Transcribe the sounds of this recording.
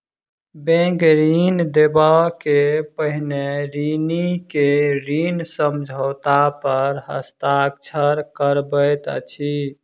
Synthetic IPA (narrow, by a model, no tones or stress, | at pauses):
bẽŋkɾind̪ebakepəɦneɾinikeɾinsəmd͡ʒʱəʊt̪apəɾɦə̰st̪ak̚t͡ʃʰəɾkəɾbəjt̪t͡ʃʰi